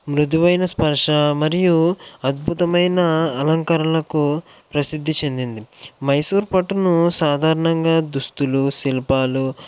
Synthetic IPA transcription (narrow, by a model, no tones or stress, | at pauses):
mɾud̪iʋɐjnɐspɐɾʂɐmɐɾijuɐd̪̚bʱut̪ɐmɐjnɐːlɐŋkɐɾɐlɐku | pɾɐsid̪ʱːit͡ʃe̞nd̪ind̪imɐjsuːɾpɐʈunusaːd̪ʱaːɾɐɳɐŋɡaːd̪ust̪ulusilɐpaːlu